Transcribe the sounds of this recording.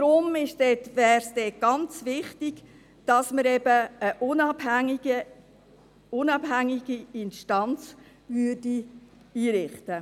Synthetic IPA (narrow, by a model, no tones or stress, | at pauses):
dɾʊmɪʃd̥ɛtvɛːɾsd̥ɛɡ̥ɑnt͡sʋɪχtiɡ̥ | d̥ɑsməɾɛbəəʔʊnɑbɡə | ʊnɑb̥ɦæŋiɡ̥iɪnʃtɑnt͡s | vʏːdi | iːɾɪχtə